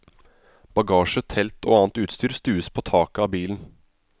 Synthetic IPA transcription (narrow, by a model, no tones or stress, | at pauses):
b̥ɑɡɑːʂət̪ʰɛlt̪o̰ːɑːnt̪ʉːt̪st̪yːɾst̪ʉːəspʰoːt̪ʰɑːkəɑbiːln̩